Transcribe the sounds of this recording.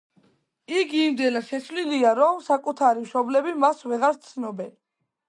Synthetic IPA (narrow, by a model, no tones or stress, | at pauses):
iɡiːmd̪ɛnaʃɛsʰvliliaɾɔmsakʼut̪ʰaɾimʃɔblɛbimasvɛʁaɾt̪sʰnɔbɛn